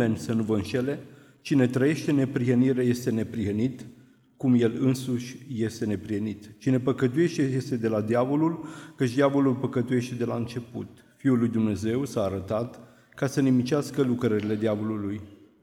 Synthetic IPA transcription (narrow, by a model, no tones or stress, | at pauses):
e̞nʲsənuvəɨnʃe̞le̞ | t͡ʃine̞t̪ɾəje̞ʃt̪e̞ne̞pɾiɦəniɾeaje̞st̪e̞ne̞pɾiɦənit̪ | kumje̞lɨnsuʃʲje̞st̪e̞ne̞pɾihənit̪t͡ʃine̞pəkət̪uje̞ʃt̪ejest̪e̞d̪e̞lad̪javo̞lulkət͡ʃd̪eavo̞lulpəkət̪uje̞ʃt̪e̞d̪e̞laɨnt͡ʃe̞pṵt̪ | fiulːujd̪umne̞ze̞wsaːɾət̪at̪ | kasənimit͡ʃaskəlukɾəɾile̞d̪eavo̞luluj